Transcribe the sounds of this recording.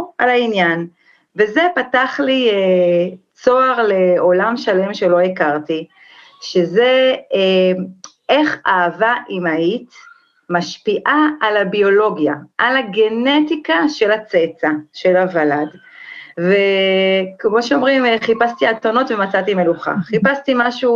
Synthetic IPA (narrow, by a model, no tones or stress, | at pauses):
alainjan | veze̞pataχlie | t͡so̞aʁle̞o̞lamʃale̞mʃe̞lo̞ikaʁti | ʃeze̞ | eχaːvaʔimait | maʃpiʔaalabio̞lo̞ɡjaʔalaɡe̞netikaʃe̞lat͡set͡saʃe̞lavalad | ve | kmo̞ʃeo̞mʁimeχipast̪iatono̞tve̞mat͡sat̪ime̞luχa̰χipast̪imaʃu